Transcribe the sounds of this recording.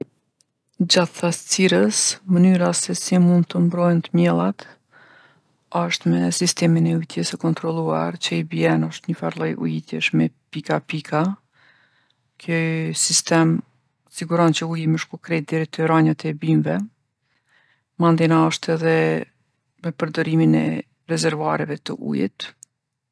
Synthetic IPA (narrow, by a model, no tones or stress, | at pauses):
d͡ʑaθθast͡siɾəsmənyɾasɛsimund̪̚t̪əmbɾɔjnt̪əmjɛlˠat̪ | ɔʃt̪mɛsist̪ɛminɛujt̪jɛsəkɔnt̪ɾɔlˠua̰ɾt͡ɕəibiɛnɔʃt̪ɲəfaɾlˠɔjʔṵit̪jɛ̰ʃmɛpikapikʰa | kʰəsist̪ɛm | siɡuɾɔnt͡ɕəujiməʃkɔkɾɛt̪̚d̪ɛɾit̪əɾaɲat̪ɛbimvɛ | mand̪inaəʃt̪ɛðɛ | mɛpəɾd̪ɔɾiminɛ̰ | ɾɛzɛɾvaɾɛvɛt̪əʔṵjḭt̪